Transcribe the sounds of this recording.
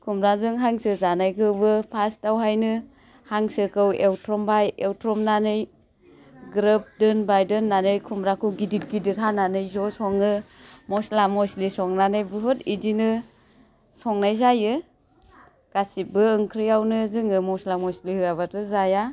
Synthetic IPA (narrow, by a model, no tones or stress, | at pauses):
kʰumɾazɯŋɦaŋsɯzanajkʰɯwbɯpʰastawɦajnɯ | haŋsɯkɯwewtʰɾɔmbajewtɾɔmnanɯj | ɡɾɯp̚dɯnbajdɯnːanɯjkʰumɾakʰuɡidit̚ɡidiɾɦananɯjzɔsɔŋɯ | mɔslamɔslisɔŋnanɯjbɯɦɯtidinɯ | sɔŋnajzajɯ | ɡ̥asibɯːŋkʰɾɯjawnɯzɯŋɯmɔslamɔslihɯaβatɯzaja